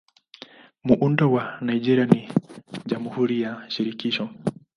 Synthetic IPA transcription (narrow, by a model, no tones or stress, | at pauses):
muʔundɔwanaiʄɛɾianiʄamuhuɾijaʃiɾikiʃɔ